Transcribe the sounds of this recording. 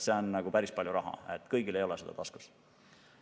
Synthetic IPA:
seonːɑɡ̥upæɾispɑlʲjuɾʔɑɦɑ̰et̪ːˑkɤjɡile̞jo̞lɛsed̪ɑ̰t̪ɑsku̥s

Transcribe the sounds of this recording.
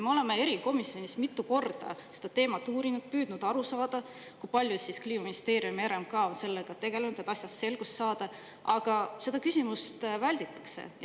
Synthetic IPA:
meo̞le̞mee̞ɾiko̞misːjo̞nismit̪ːˑuko̞rd̪̥ɑ̰se̞d̪ɑt̪e̞ːmɑt̪ːˑuːɾinud̪̥̚pyːd̪̥nud̪̥ɑɾusɑːd̪̥ɑ | kujpɑlʲjusiskliːmɑminist̪e̞ːɾiumeɾemkɑːo̞nse̞lːeɡ̥ɑt̪e̞ɡ̥e̞lenud̪̥et̪ːˑɑsjɑsːe̞lɡ̥ust̪sɑːd̪̥ɑ | ɑɡ̥ɑse̞d̪ɑkysʲimust̪vælʲd̪̥it̪ːˑɑ̥kse̞̰j

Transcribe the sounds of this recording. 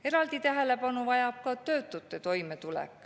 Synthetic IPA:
e̞ɾɑld̪it̪æɦe̞le̞pɑnuvɑjɑp̚kɑt̪ø̞ːt̪ːˑut̪ːˑe̞t̪o̞jmet̪ulḛkːˑ

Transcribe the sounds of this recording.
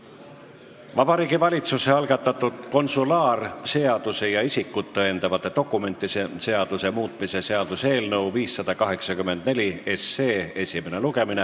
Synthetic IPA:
vɑb̥ɑɾiːɡivɑlʲit̪suse̞ɑlɡ̥ɑt̪ːˑɑt̪ːˑud̪̥ko̞nsulɑːrse̞ɑd̪̥use̞jɑisikːˑut̪ːeend̪̥ɑvɑt̪ːˑe̞t̪o̞kːˑume̞nt̪ˑːise̞se̞ɑd̪̥use̞muːt̪ˑmise̞se̞ɑd̪̥use̞ːlnɤwviːsːɑd̪̥ɑkɑɦe̞ksɑkymːe̞nd̪̥ne̞lʲie̞sːeːe̞sʲime̞neluɡ̥e̞mine

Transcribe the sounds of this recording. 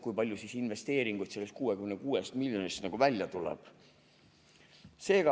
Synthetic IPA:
kujpɑlʲjusisinve̞st̪e̞ːɾiŋɡ̥ujt̪se̞lːest̪̚kuːekymnekuːest̪milʲjonist̪nɑɡ̥uvælʲjɑt̪ulɛ̰b̥ | se̞ːɡ̥ɑ

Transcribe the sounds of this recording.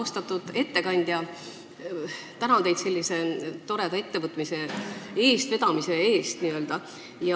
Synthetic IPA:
st̪ɑt̪ːˑud̪̥e̞t̪ːe̞kɑnʲd̪̥jɑ | t̪ænɑt̪e̞jd̪se̞lːise̞t̪o̞ɾe̞d̪ɑe̞t̪ːevɤt̪ːˑmise̞e̞ːst̪ve̞d̪̥ɑmise̞e̞ːst̪niø̞ld̪̥ɑ | jɑ

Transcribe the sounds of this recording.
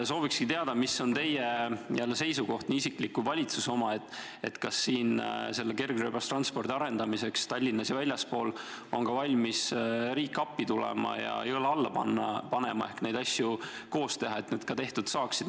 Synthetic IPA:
so̞ːvikskit̪eɑd̪̥ɑmisːo̞nt̪e̞jejælːese̞jsuko̞ht̪niisiklikkuvɑlʲit̪suso̞mɑe̞t̪ːˑ | e̞̰t̪kɑsːiːnse̞lːeke̞rɡ̥røːbɑst̪rɑnspo̞rd̪iɑɾe̞nd̪̥ɑmise̞kst̪ɑlʲːinːɑsjɑvælʲjɑspo̞ːl | o̞nkɑvɑlʲmisɾiːkːɑpːit̪ulɛ̰mɑ̰jɑ̰ejolɑlːɑpɑ̰nːɑpɑnḛmɑ̰e̞hkne̞jd̪̥ɑsʲju | ko̞ːst̪e̞ɦɑe̞t̪neːd̪̥kɑt̪e̞ht̪ud̪sɑːksid̪̥

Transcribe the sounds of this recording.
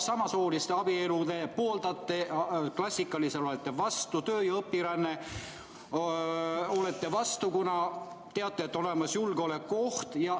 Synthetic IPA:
sɑmɑsoːlist̪e̞ɑb̥ie̞lud̪̥e̞poːld̪ɑt̪ːeklɑsʲːikːˑɑliselo̞let̪ˑːe̞vɑst̪ut̪ø̞ːjɑɤpːiɾɑnːe | o̞let̪ːe̞vɑst̪ukunɑ | t̪e̞ɑt̪ːˑeːt̪ːo̞le̞mɑsjulɡ̥eo̞lekːo̞ht̪jɑ

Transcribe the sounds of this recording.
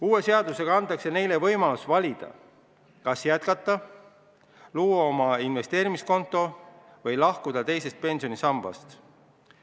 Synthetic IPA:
uːwe̞se̞ɑd̪̥use̞ɡ̥ɑɑnt̪ːˑɑkse̞ne̞jle̞vɤ̞jmɑlusvɑlʲid̪̥ɑ̰ | kɑsjæt̪kɑt̪ˑːɑ | luːwɑo̞mɑinve̞st̪eːɾimisko̞nt̪ːˑo̞ | vɤjlɑhkud̪̥ɑt̪e̞jse̞st̪̚pe̞nʲsio̞nisɑmb̥ɑ̰st̪

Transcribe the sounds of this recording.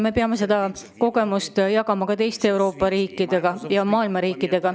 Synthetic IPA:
me̞peɑme̞se̞d̪̥ɑko̞ɡ̥e̞must̪jɑkɑmɑkɑt̪e̞jst̪eːwɾo̞ːpːˑɑɾiːkːˑid̪̥e̞ɡ̥ɑjɑmɑːilmɑɾiːkːˑid̪̥e̞ɡ̥ɑ

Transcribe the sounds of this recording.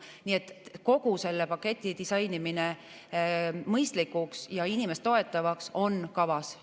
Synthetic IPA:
niet̪ːˑko̞ɡ̥use̞lːepɑkːe̞t̪ʲːˑid̪isɑjnimine | mɤjst̪likːuksjɑinime̞st̪ːo̞et̪ːˑɑvɑkso̞nkɑvɑs

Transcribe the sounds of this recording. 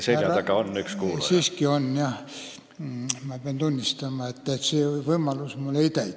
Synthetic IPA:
seɑt̪ɑkɑonːykskuːsiːskionjɑ | mɑːb̥eæent̪unʲːist̪ɑmɑet̪ːæt̪seoiʋɤimɑlusmulːeit̪æi

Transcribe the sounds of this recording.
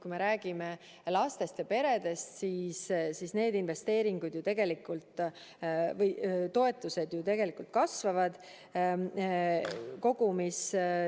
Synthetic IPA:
kujme̞ɾæːɡ̥ime̞ | lɑst̪e̞st̪jɑpe̞ɾe̞d̪̥e̞st̪siːssisne̞ːd̪inve̞st̪e̞ːɾiŋɡ̥ud̪̥jut̪e̞ɡ̥e̞likːˑult̪ː | vɤjt̪o̞e̞t̪ːˑuse̞d̪jut̪e̞ɡ̥e̞likˑult̪̚kɑsvɑvɑd̪̥ | ko̞ɡ̥umis

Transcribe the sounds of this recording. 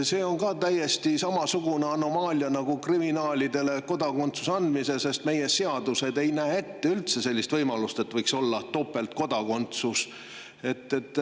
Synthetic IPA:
se̞ːo̞nkɑːt̪æje̞st̪isɑmɑsuɡ̥uneɑno̞mɑːlʲiɑnɑɡ̥ukriminɑːlʲid̪e̞le̞ko̞d̪ɑko̞nt̪su̥seɑnd̪misesest̪me̞je̞se̞ɑd̪use̞d̪e̞jnæːe̞t̪ːe̞ylt̪se̞se̞lʲːist̪vɤjmɑlust̪e̞t̪vɤjkso̞lːɑt̪o̞pːˑelt̪ko̞d̪ɑko̞nt̪sus | e̞t̪ːˑet̪ˑː

